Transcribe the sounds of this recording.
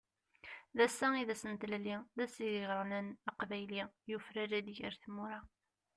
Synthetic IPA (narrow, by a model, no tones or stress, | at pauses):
ðæsːæiðæsənt̪læliðæsiðiʁɾˤənænɑqvæjlijufɾæɾæd̪ʝə̰ɾθmuɾa